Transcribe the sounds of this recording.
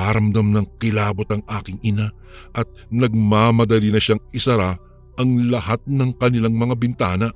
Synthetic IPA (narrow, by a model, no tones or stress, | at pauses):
aɾɐmd̪ɐmnɐŋkɪlaːbo̞t̪ɐŋʔaːkɪŋɪna | ʔɐt̪̚nɐɡ̚maːmɐd̪ɐlinɐʃaŋɪsɐɾa | ʔɐŋlɐhat̪̚nɐŋkɐnɪlaŋmɐŋabɪnt̪aːnɐ